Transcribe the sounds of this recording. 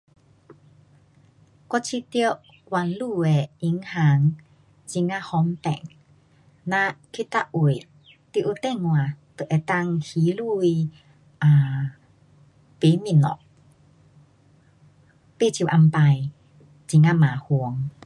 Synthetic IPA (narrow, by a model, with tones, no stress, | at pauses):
kɔ˧t͡ɕʰi˧t̪i˧ə˧ʔ | kwa˧˨nlu˥˧˨e˨i˧˦ŋha˨˦ŋ | t͡ɕi˧ŋa˧hɔ˧˦mpɛ̰˨ŋ | nã˧kʰi˦˨t̪a˧ʔu˧˨ | t̪i˧˨ʔu˧˩t̪ɛ˥˧˨ŋːwa˨t̪ə˨ʔe˧˩t̪a˧ŋhi˨˦lu˥˧i˧ | ʔa˨ | pe˨˦mi˧˨nɔ̰˨ʔ | pe˧˨t͡ɕʰi˧˨ʔa˧mpa˧j | t͡ɕi˧ŋa˧mãː˨hu˧əŋ